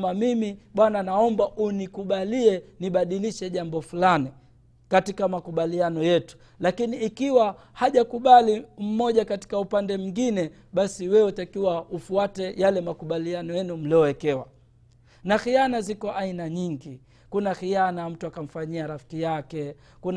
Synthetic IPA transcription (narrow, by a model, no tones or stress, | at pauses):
mamimiɓwananaɔmbaʔunikuɓaliɛniɓaɗiliʃɛʄambɔfulani | katikamakuɓalianɔjɛtu̥ | lakiniːkiwa | haʄakuɓalim̩mɔʄakati̥kaupandɛmuŋɡinɛ | ɓasiwɛutakiwaufuatɛjalɛmakuɓalianɔjɛnum̩liɔwɛkɛwa | naxijanazikɔʔainaɲiŋɡi | kunaxijanam̩tuakam̩faɲiaɾafi̥kijakɛ | kun